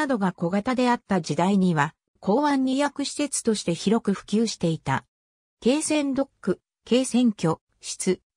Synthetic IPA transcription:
ad̪o̞ɡako̞ɡat̪ad̪e̞at̪ːad͡ʑid̪aiɲ̟iβa | kʰo̞ːβãɲ̟ːijakɯ̟ɕi̥se̞t͡sɨ̥t̪o̞ɕi̥t̪e̞çiɾo̞kɯ̟ɸɯ̟̥kʲɨːɕi̥t̪e̞it̪a̰ | ke̞ːsẽ̞nd̪o̞kːɯ̟ | ke̞ːsẽ̞ŋkʲo̞ | ɕi̥t͡sɨ

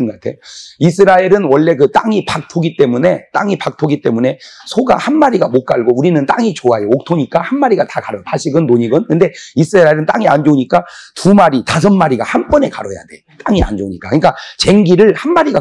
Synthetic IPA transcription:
ɯnɡʌkatʰe̞̰joisʰɯɾaeɾɯnwʌɭːe̞kɯt͈aŋipak̚tʰoɡit͈e̞mune̞t͈aŋipak̚tʰoɡit͈e̞mune̞sʰoɡa̰hanmaɾiɡamok͈̚aɭɡouɾinɯnt͈aŋit͡ɕoajook̚tʰoɲik͈ahanmaɾiɡatakaɾʌtʰaɕʰiɡɯnːoɲiɡɯnkɯnde̞isʰɯɾaɾaeɾɯnt͈aŋiand͡ʑoɲik͈atumaɾitas̬ʰʌnmaɾiɡahanpʌne̞kaɾʌja̰de̞̰ | t͈aŋia̰nd͡ʑoɲik͈akɯɲik͈at͡ɕe̞ŋɡiɾɯɭhanmaɾiɡa

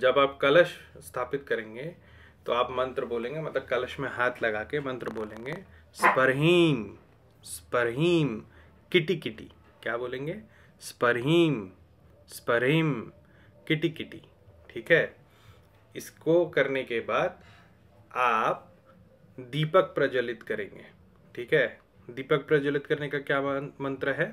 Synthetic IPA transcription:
d͡ʒɐbaːp̚kɐləʃst̪ʰaːpɪt̪kɐɾẽːŋ̆ɡe | t̪oaːpmɐ̃nt̪ɾəboːlẽːŋɡemɐt̪ləb̚kɐləʃmẽɦaːt̪ʰlɐɡaːkemɐ̃nt̪ɾəboːlẽːŋɡespɐɾɦiːm | spɐɾɦiːm | kɪʈikɪʈḭ | kjaːboːlẽːŋɡeː | spɐɾɦiːm | spɐɾɦim | kɪʈikɪʈḭ | ʈʰiːkɦɛː | ɪskokɐɾnekebaːd̪̚ | aːp̚ | d̪iːpək̚pɾɐd͡ʒəlɪt̪kɐɾḛ̃ːŋ̆ɡḛː | ʈʰiːkɦɛː | d̪iːpək̚pɾɐd͡ʒəlɪt̪kɐɾnekakjaːmɐ̃nt̪ɾəɦɛː

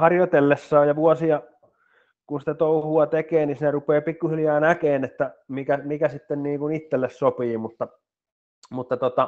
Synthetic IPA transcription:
hɑrjot̪elːesːɑːjjɑʋuosiɑ | kunsi̥t̪æt̪ouhuɑt̪ekeːnisinerupeːpikːuhiljæːnækeːnet̪ːæmikæmikæsit̪ːenniːŋkunit̪ːelːessopiːmut̪ːɑ | mut̪ːɑt̪ot̪ɑ

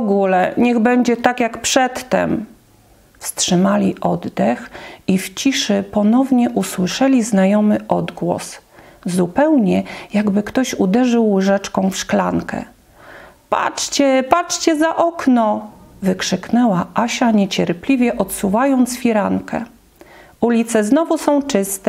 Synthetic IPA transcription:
ɔɡulɛɲɛɣbɛɲd͡ʑɛt̪akjakpʂɛt̪ːɛ̰m | fstʂɘmalʲiʔɔd̪d̪ɛxift͡ɕiʂɘpɔnɔvɲɛʔuswɘʂɛlʲiznajɔmɘʔɔd̪ɡwɔ̰szupɛwɲɛjaɡbɘkt̪ɔɕud̪ɛʐɘwʐɛt͡ʂkɔ̃w̃fʂklaŋkɛ̰ | pa̰t͡ʂt͡ɕɛpat͡ʂt͡ɕɛzaʔɔknɔvɘkʂɘknɛwaʔaɕaɲɛt͡ɕɛɾplʲivʲjɛʔɔt̪suvajɔnt̪sfʲiɾaŋkʰɛ̰ | ulʲit̪sɛznɔvusɔ̃w̃t͡ʂɘst̪ɛ

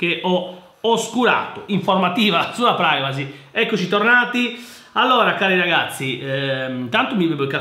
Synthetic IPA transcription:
k̟eʔɔ | oskuɾa̰ːt̪oʔiɱfoɾmat̪iːvalasuːapɾajvaziɛkːot͡ʃit̪ornaːt̪i | alːɔːɾakaːɾiɾaɣat̪sːiɛt̪ant̪umibebokːa

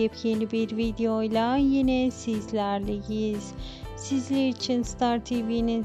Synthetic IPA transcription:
ɛpjenibiɾvid̪eojlˠajinɛsizlʲæɾlʲijiz̥ | sizlʲeɾit͡ʃʰinst̪ʰaɾt̪ʰivini

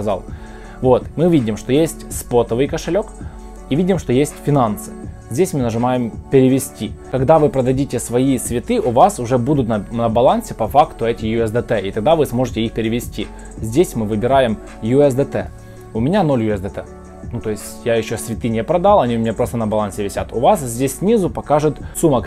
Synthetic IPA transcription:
ɐza̰lˠ | vo̞t̪mɨvʲidʲɪmʂt̪o̞jesʲtʲspot̪əvɨjkəʂɨlʲo̞k | ivʲidʲɪmʂt̪o̞jesʲtʲfʲɪnansɨ̥ | zʲdʲesʲmɨnəʐɨmajɪmpʲɪɾʲɪvʲɪsʲtʲikɐɡd̪avɨpɾəd̪ɐdʲitʲɪsvɐisvʲɪt̪ɨʔʊvasʊʐɛbud̪ʊt̪nnɐbɐlˠansʲɪpɐfakt̪ʊɛtʲɪjʊɛsd̪ɛt̪ɛʔit̪ɐɡ̚d̪avɨsmo̞ʐɨtʲɪixpʲɪɾʲɪʋʲɪsʲtʲi | zʲdʲesʲmɨvɨbʲɪɾajɪm | jʊɛsd̪ɛt̪ɛ̰ | ʊmʲɪnʲano̞lʲjʊɛsd̪ət̪ɛ̰ | nut̪o̞jɪsʲtʲjajɪɕːosʲvʲɪt̪ɨnʲɛpɾɐd̪alˠɐnʲiʊmʲɪnʲapɾo̞st̪ənɐbɐlˠansʲɪvʲɪsʲat̪ʊvas̬zʲdʲesʲsʲnʲizʊpɐkaʐɨt̪sumək

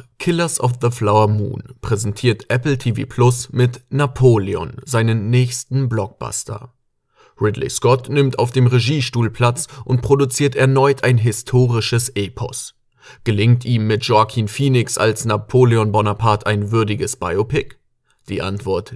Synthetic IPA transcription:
kʰɪlɐsɔfðəflaʊɐmṵːnpʁ̥ɛzɛntʰiːɐtʔɛpl̩tʰiːvḭːpʰlʊsmɪtnapʰoːleɔ̰nzaɪnənːɛːçstn̩blɔk̚b̥a̰stʰɐ̰ | ʁɪdlɪ̰skɔtnɪmtaʊfd̥eːmʁeʒiːʃtuːlpʰl̥at͡sʔʊntpʁ̥odut͡siːɐtɛɐnɔʏtʰaɪnɦɪstʰoːʁɪʃəsʔeːpʰɔ̰s | ɡ̥əlɪŋtiːmːɪtʒ̥ɔkʰiːnfiːnɪksa̰lsnapʰoːleɔnbɔnapʰaːtʰaɪnvʏɐdɪɡəsb̥aɪopɪk | d̥ḭːʔa̰ntv̥ɔɐt

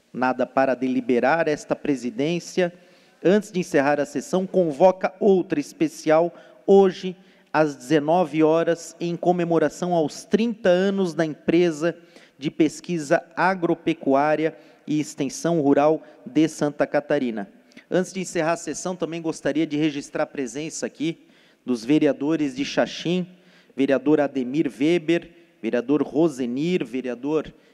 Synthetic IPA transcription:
nad̪ɐpaɾɐd̪elibeɾaɾɛst̪ɐpɾezid̪ẽsiɐ | ɐ̃nt͡ʃ̪ɪzd͡ʒɪẽseɦaɾɐsesɐ̃w̃kõvɔkɐowt̪ɾɐispesiaw | oʒɪ | ɐzd͡ʒɪzenɔvɪɔɾɐzẽj̃kõmemoɾasɐ̃w̃awst̪ɾĩnt̪ɐɐ̃nʊzd̪ɐẽpɾezɐ | d͡ʒɪpeskizɐaɡɾopekuaɾjɐ | ɪːst̪ẽsɐ̃w̃huɾawd̪ɪsɐ̃nt̪ɐkat̪aɾĩnɐ | ɐ̃t̪ɪzd͡ʒɪẽseɦaɾɐsesɐ̃w̃t̪ɐ̃mbẽj̃ɡost̪aɾiɐd͡ʒɪheʒist̪ɾaɾpɾezẽsɐaki | d̪ʊzveɾiad̪oɾɪzd͡ʒɪʃaʃĩ | veɾiad̪oɾad̪emiɾvebeɾ | veɾiad̪oɾhozeniɾveɾiad̪oɾ

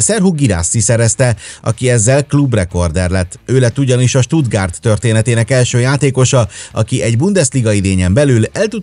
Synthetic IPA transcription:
sɛrɦuɡiɾa̰ːsːisɛɾɛst̪ɛɒ̰kiɛzːɛlklubrɛko̞rd̪ɛrlɛt̪ːøːlɛt̪ːuɟɒniʃɒʃt̪ud̪ɡaːrt̪ːø̞rt̪eːnɛt̪eːnɛkɛlʃøːjaːt̪eːko̞ʃɒɒkiʔɛɟbund̪ɛst̪liɡɒid̪eːɲɛmbɛlylɛlt̪u

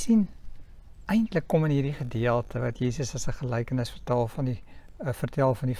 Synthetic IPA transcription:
sin | ʔɛjntləkːomənɦiːrdiχədiəlˠtʰəvɐtjiːsəsɐsəχəlɛjkənəsfərtælˠfɐndifərtælˠfɐndi

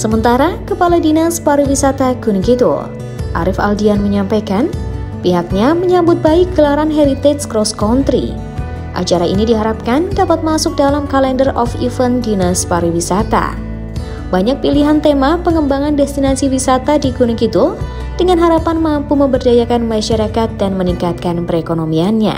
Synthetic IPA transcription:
səmənt̪aɾakəpaladinaspaɾiwisat̪aɡunikit̪ṵl | ʔa̰ɾɪfa̰ldianməɲampajkan | piɦak̚ɲaməɲabʊt̪̚baik̚ɡ̥əlaɾanɦɛɾit̪ɛt̪skɾɔskɔnt̪ɾḭ | ʔa̰t͡ʃaɾaḭnidiɦaɾap̚kandapat̪̚masʊk̚dalamkalɛndərʔɔfifəndinaspaɾiwisat̪a̰ | baɲak̚piliɦant̪emapəŋəmbaŋandɛst̪inasiwisat̪adiɡunukit̪ul | d̥əŋanɦaɾapanmampuməmbərdajakanmaʃaɾakat̪̚danməniŋkat̪̚kanpəɾekonomianɲa̰

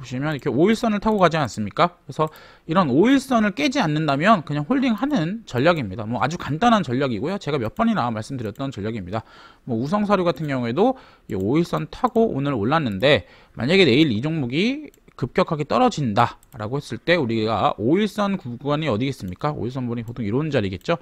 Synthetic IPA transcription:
boɕʰimjʌniikʰeoiɭs͈ʌnɯɭtʰaɡoɡad͡ʑians͈ɯmɲik͈akɾesʰʌ | iɾʌnoiɭs͈ʌnɯɭk͈e̞d͡ʑianːɯndamjʌnkɯɲaŋɸoɭdiŋɦanɯnt͡ɕʌʎːaɡimɲidamwʌa̰d͡ʑukant͈anɦant͡ɕʌʎːaɡiɡojot͡ɕe̞ɡamjʌp͈ʌɲinamaɭs͈ɯmdɯɾjʌt̚t͈ʌnt͡ɕʌʎːaɡimɲida | mwʌus̬ʰʌŋsʰaɾjoɡatʰɯnɡjʌŋue̞do | ḭoiɭs͈ʌntʰaɡoʔo̰nɯɾoɭːanːɯnde̞ | mʔa̰ɲaɡe̞ne̞iɾid͡ʑoŋmuɡi | kɯp̚k͈jʌkʰaɡe̞t͈ʌɾʌd͡ʑinda | ɾa̰ɡohe̞s͈ɯɭt͈e̞uɾiɡa̰ʔoiɭs͈ʌnkuɡwaɲiʌdiɡe̞s͈ɯmɲik͈ao̰iɭs̬͈ʌnbuɲipotʰoŋiɾond͡ʑaɾiɡe̞t̚t͡ɕ͈o

